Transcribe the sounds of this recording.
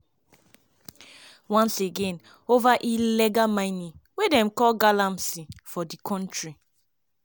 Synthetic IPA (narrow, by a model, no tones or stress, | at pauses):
wãnseɡen | ovaʔileɡamaɪnĩŋwedɛm̩kɔlɡalamsifɔdikʰɔ̃ntɹi